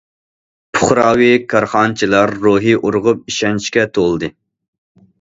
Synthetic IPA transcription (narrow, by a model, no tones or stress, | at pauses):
pʰʊχɾɑːwikʰɑɾχɑnt͡ʃʰilˠɑɾːuɦiʔuɾʁʊp̚iʃɛnt͡ʃkʲɛt̪ʰolˠɨd̪ɨ